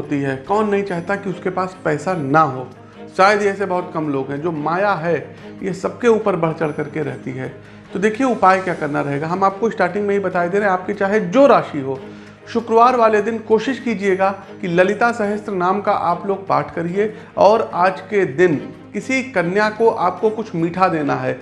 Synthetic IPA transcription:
ɦoːt̪iɦɛːkɔːnːɐɦĩt͡ʃaːɦt̪akiʊskepaːspɛːsanɐɦoː | ʃaːjəd̪ɛːsebɐɦʊt̪kɐmloːɡɦɛ̃d͡ʒoːmaːjaɦɛ | jesɐbkeuːpəɾbɐɽ̤t͡ʃɐɽkɐɾkeɾɛɦt̪iɦɛ̰ː | t̪od̪eːkʰieʊpaːjkjaːkɐɾnaɾɐɦeːɡaɦɐmaːp̚koɪsʈaːɾʈɪ̃ŋɡmẽɦibɐt̪aːid̪eːɾeɦẽaːp̚ket͡ʃaːɦed͡ʒoːɾaːʃiɦoː | ʃʊkɾʋaːɾʋaːled̪ɪnkoːʃɪʃkiːd͡ʒieːɡa | kilɐlɪt̪asɐɦəst̪ɾənaːmkaʔaːploːɡ̚pa̰ːʈʰkɐɾie | ɔːɾaːd͡ʒked̪ɪn | kɪsikɐnjakoʔaːp̚kokʊt͡ʃʰmiːʈʰad̪eːnaɦɛː

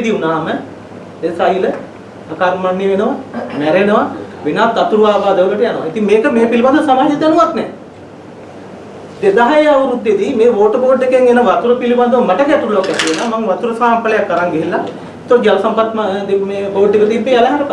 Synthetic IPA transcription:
d̪iunaːmə | d̪esajlə | akaːɾmanːjeʋenəʋamɛɾenəʋaʋenaːt̪ːat̪uɾuʋaːbaːd̪əʋuləʈəjanəʋait̪iŋmeːkəmeːpiliband̪uəsamaːɦɐd͡ʒit̪januʋat̪nɛ | d̪ed̪aɦaeaʋuɾud̪ːed̪imeːʋoːʈəboːɖekeŋenəʋat̪uɾəpiliband̪uʋəmaʈəkɛt̪uɾulokʋɛt̪iʋenamaŋʋat̪uɾəsaːmpələjakːəɾaŋɡeɦilːa | it̪od͡ʒalɐsampat̪ːmd̪emeːboːɖːekət̪iːpːealɐɦaɾəka

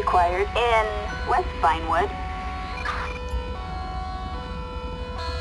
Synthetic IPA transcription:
ɨkʰw̥aɪə˞ɾɪ̃nwɛsb̥ãɪ̃nwʊd̥

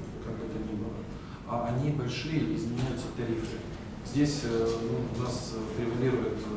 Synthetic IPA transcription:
kakɛt̪ənʲibɨlˠə | aɐnʲibɐlʲʂɨjəɪzmʲɪnʲæjʊt̪sət̪ɐɾʲifɾɨ | zʲdʲesʲənunasɾʲɪvɐlʲiɾʊjʊt̪

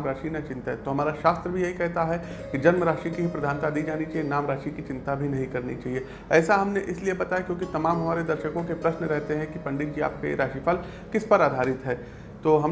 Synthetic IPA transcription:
mɾaːʃinat͡ʃɪ̃nt̪aɦɛt̪oɦɐmaːɾaʃaːst̪ɾəbʱijɐɦikɛɦt̪aɦɛ | kid͡ʒɐnməɾaːʃikiɦipɾɐd̪ʱaːnt̪ad̪iːd͡ʒaːnit͡ʃaːɦienaːmɾaːʃikit͡ʃɪ̃nt̪abʱinɐɦĩkɐɾnit͡ʃaːɦie | ɛːsaɦɐmneʔɪsliebɐt̪aːjakjõːkit̪ɐmaːmɦɐmaːɾed̪ɐɾʃəkõkepɾɐʃnɾɛɦt̪eɦɛ̃kipɐ̃ɳɖɪt̪̚d͡ʒia̰ːp̚ka̰jḛɾaːʃifʰɐl | kɪspɐɾaːd̪ʱaːɾɪt̪ɦɛː | t̪oːɦɐm

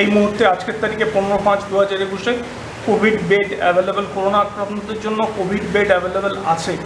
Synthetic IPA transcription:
ejmuɦuɾt̪ead͡ʑkeɾt̪aɾikeponeɾopãt͡ɕd̪uɦad͡ʑaɾekuʃe | kobʱiɖbeʈɛ̰bʱelebolkoɾonaɾpɾop̪nod̪eɾd͡ʑonːokobʱiɖbeʈɛbʱelebela̰t͡ɕʰe

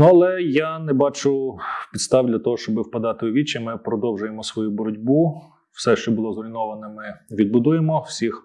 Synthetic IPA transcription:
nuɐlˠɛjanɛbɑt͡ʃʊpʲid̪st̪ɑʋd̪ʲlʲɐt̪ɔɦɔʃt͡ʃɔbɪwpɐd̪ɑt̪ɪʊʋʲit͡ʃɪmɪpɾɔd̪ɔwʒʊjemɔsʋɔjubɔɾɔdʲbu | wsɛʃt͡ʃɔbʊlˠɔzɔlʲinɔʋɐnɔmɪʋʲid̪̚bʊd̪ujemɔw̥sʲix

